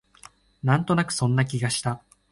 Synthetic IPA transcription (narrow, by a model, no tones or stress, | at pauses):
nãnt̪o̞nakɯ̟̥sõ̞nːak̬ʲiɡaɕi̥t̪a